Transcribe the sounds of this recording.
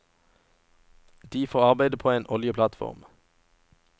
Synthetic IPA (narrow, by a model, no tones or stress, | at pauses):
d̪̥iːfoːʁɑʁbæɪd̪əpʰoːeːnʔɔljəpʰlɑt̪fɔ̰ʁm